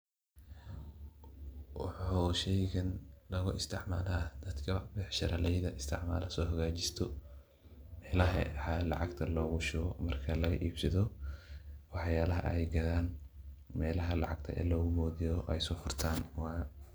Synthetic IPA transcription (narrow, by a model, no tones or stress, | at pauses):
wɑħuːʃɛjɣɐnlɐɣʊɪst̪ʰɪʕma̰ːlaːd̪̥ɐd̪kʰɐbɛħʃɐɾɐlɛjðɐɪst̪ʰɪʕma̰ːlɐsɔːhɐɣaːt͡ʃɪst̪ʰɔ | mɛːlɐɦɐ̰ħɐlɑ̰ʕɑɡt̪ʰɐlɔːɣʊʃʊɣɔmɐrkʰɐlɐɣɐʔiːbsɐðɔ | wɑħjaːlɐɦɐ̰ʔɛjɡɐðaːnmɛːlɐɦɐlɑ̰ʕɑɡt̪ʰɐ̰ʔɛ̰ːlɔːɣʊbɔːðijɔʔɛjsɔːfʊrt̪ʰaːnwɑːj